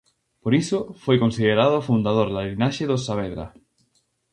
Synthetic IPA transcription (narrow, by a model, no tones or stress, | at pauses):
poɾisofojkonsiðeɾað̞ofund̪aðoɾðaɣɾinaʃeðosaβeðɾa̰